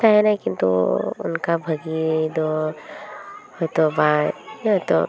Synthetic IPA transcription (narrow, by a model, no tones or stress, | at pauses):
t̪ʰaɦɛnajkint̪ṵṵnkabʱəɡid̪ɔ | hɔjt̪ɔbaɦɔjt̪ɔ̰